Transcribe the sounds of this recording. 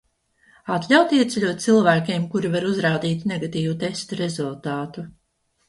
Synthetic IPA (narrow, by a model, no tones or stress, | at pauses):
at̪lʲawt̪iɛt̪sɛlʲuɔt̪̚t̪silˠvæːkʲeɛmkuɾivaɾuzɾaːd̪iːt̪neɡat̪iːvut̪e̞st̪uɾe̞zulˠt̪aːt̪u